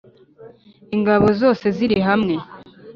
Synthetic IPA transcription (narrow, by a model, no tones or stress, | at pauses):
iŋɡaβo̞zo̞ːse̞ziɾiiɦamŋe̞